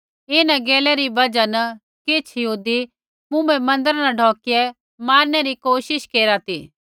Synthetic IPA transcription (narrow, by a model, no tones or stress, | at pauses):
ɪnaɡeːlɛɾibɐd͡ʒanɐ | kɪt͡ʃʰjɦuːd̪i | mʊ̃ɛ̃mɐ̃nd̪əɾanɐɖʱɔːkɪɛ | maːɾnɛɾikoːʃɪʃkeːɾat̪iː